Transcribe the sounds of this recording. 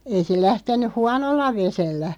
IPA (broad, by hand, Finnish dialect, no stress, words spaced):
ei se læhtenˑyh̆ huɑnolːɑ ʋeselːæ